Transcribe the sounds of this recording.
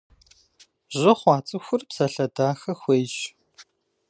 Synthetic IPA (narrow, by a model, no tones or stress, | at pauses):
ʑɐχʷɑːt͡sʼɨxʷʊrpsɐɬɐdaːxɐxʷeːɕ